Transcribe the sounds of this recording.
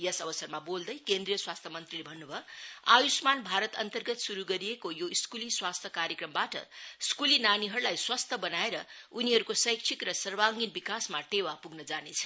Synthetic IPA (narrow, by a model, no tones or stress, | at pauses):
jʌsʌbʌsʌrmabold̪ʌjkend̪rijʌswast̪ʰjʌmʌnt̪rilebʱʌnːubʱʌajusmanbʱaɾʌt̪ʌnt̪ʌrɡʌt̪suɾuɡʌɾiekojoskuliswast̪ʰjʌkaɾjekrʌmbaʈʌ̰skulinaniɦʌɾulajswast̪ʰʌbʌnaeɾʌuniɦʌɾukosʌjksʰikrʌsʌrwaŋɡinbikasmaʈewapuɡnʌd͡zanet͡sʰʌ̥